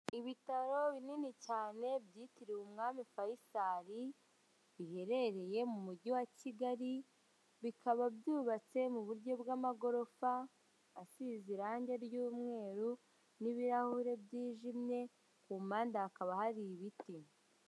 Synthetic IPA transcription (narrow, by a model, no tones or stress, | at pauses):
iβitaɾo̞βininicaːne̞bɟiːtiɾiwumŋaːmifajisaɾi | βihe̞ɾe̞ɾe̞je̞mumuɟiwaciɡaɾi | βikʰaβabjuːβat͡se̞muβuɾɟo̞bɡamaɡo̞ɾo̞faː | siziɾaːɲɟe̞ɾjuːmŋe̞ːɾu | niβiɾahuɾe̞bjiːʒimɲe̞ | kuːmaːndaːkaβahaɾiβiti